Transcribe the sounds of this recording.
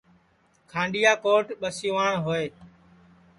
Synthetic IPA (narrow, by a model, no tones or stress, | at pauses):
kʰãːɳɖɪjaːkoːʈɓəsiʋaːɳɦoːeː